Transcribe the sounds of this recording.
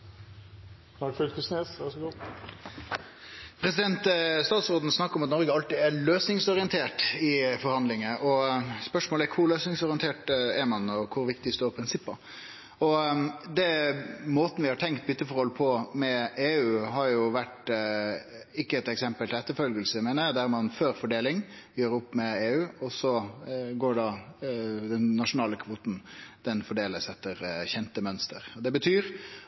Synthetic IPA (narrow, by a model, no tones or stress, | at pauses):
ɑɾfølk̪əsneːsʋæʂɔɡuː | pʰɾɛsɪd̪ɛnt̪st̪ɑːt̪sɾoːd̪n̩snɑkːəɾɔmɑt̪nɔɾɡəɑlt̪ɪæløːsnɪŋsɔɾɪənt̪ʰeːʈɪfɔɾhɑnd̪lɪŋəʔɔspœʂmoːlækʰʊɾløːsnɪŋsɔɾɪənt̪ʰeːʈɛɾmɑnɔkʰʊɾʋɪkt̪ɪst̪oːɾpʰɾɪnsɪpːə | ɔd̪ɛmoːt̪ən̩ʋɪhɑʈʰɛŋk̚t̪̚bʏt̪ːəfɔɾhɔlpʰɔmɛeːʉːɦɑɾjʊʋæʈ | ɪkːəɛt̪ɛksɛmpəlt̪ɪlɛt̪ːəɾfœlɡəlsəmeːnəd̪æɾmɑnføːɾfɔɖeːlɪŋ | jøːɾʊpːmɛeːʉːɔsɔɡoːɖɑ | d̪ɛnːɑʂʊnɑːləkʰʋuːt̪n̩d̪̥ɛnfɔɖeːləsɛt̪ːəɾçɛnt̪əmœnst̪ə̰ɾɔd̪ɛbət̪ʰyːɾ